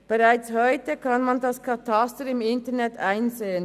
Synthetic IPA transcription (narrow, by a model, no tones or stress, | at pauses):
b̥eʁaɪt͡shɔʏtəkʰɑnmɑndɑskʰɑtʰɑstəɾɪmɪntənɛtaɪnzeːən